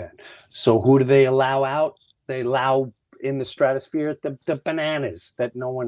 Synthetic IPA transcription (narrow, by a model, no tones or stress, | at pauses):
ɛ̃n | soʊhuɾɨðeɪəlaʊaʊt̪̚ | ðeɪəlaʊ | ɪ̃nðɨstɹ̥æɾɨsfɪɹðɨðɨbɨnænɨz̥ðɨtⁿnoʊwʌ̃